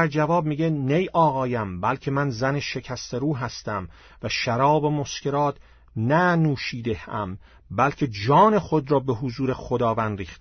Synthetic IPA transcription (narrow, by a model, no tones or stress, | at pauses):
æɾd͡ʒævɒːb̚miːɟe̞nejʔɒːɣɒːjæmbælcʲʰe̞mænzæneʃe̞cʰæst̪ʰeɾuːɦæst̪æm | væʃæɾɒːbemo̞ske̞ɾɒːt̪ʰ | nænuːʃiːd̪e̞hæ̰m | bælcʰe̞d͡ʒɒːne̞xo̞d̪ɾɒːbeɦuzuːɾe̞χod̪ɒːvænd̪riːxt̪